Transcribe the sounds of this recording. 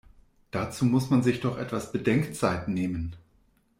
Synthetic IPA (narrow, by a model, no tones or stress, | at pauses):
d̥at͡suːmʊsmanzɪçd̥ɔχʔɛtv̥asb̥ədɛŋkt͡saɪtneːmən